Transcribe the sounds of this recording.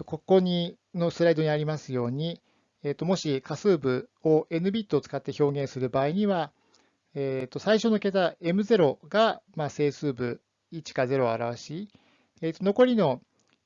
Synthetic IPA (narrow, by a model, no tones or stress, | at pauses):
t̪ːoko̞kːo̞ɲ̟i | no̞sɨɾaid̪o̞ɲ̟iaɾʲimasɨjo̞ːɲ̟i | et̪ːo̞mo̞ɕikasɨːbɯ̟o̞ʔe̞nɯ̟bʲit̪ːoːt͡sɨ̥kat̪ːe̞ço̞ːɡẽ̞ɰ̃sɨɾɯ̟baːiɲ̟iβa | eːt̪ːo̞saiɕo̞no̞ke̞t̪ae̞mɯ̟ze̞ɾo̞ɡamase̞ːsɨːbɯ̟ | it͡ɕi̥kaze̞ɾo̞aɾaβ̞aɕi | et̪ːono̞ko̞ɾʲino̞